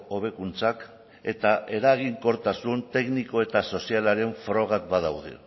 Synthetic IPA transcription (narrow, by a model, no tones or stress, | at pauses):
o̞β̞e̞kunt͡sak | e̞t̪aʔe̞ɾaɣiŋko̞ɾt̪asunt̪e̞kniko̞e̞t̪aso̞sialaɾe̞ɱfɾo̞ɣ̞at̪bað̞awðḛ